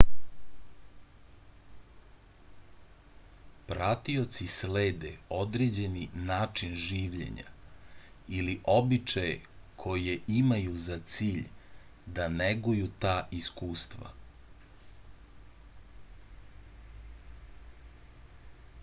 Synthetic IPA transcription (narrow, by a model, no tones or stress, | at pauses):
pɾat̪io̞t̪sisleːd̪eo̞d̪ɾed͡ʑe̞ninaːt͡ʂinʒiːʋʎḛɲa̰ | iliʔo̞bit͡ʃajekʰo̞jeʔimajuzat̪siːʎd̪aneɡujut̪aːʔiskuːst̪ʋa̰